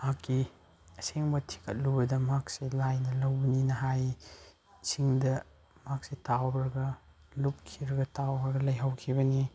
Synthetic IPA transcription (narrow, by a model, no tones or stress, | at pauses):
makːi | ɐseŋbɐtʰi̥kʰɐ̰t̚lubɐdɐmak̚selajnɐlɐwbɐninɐɦaj | siŋdɐ | mak̚setawbɾɐɡɐ | lup̚kʰiɾɐɡɐtawbɾɡɐlɐjɦɐwkʰibɐni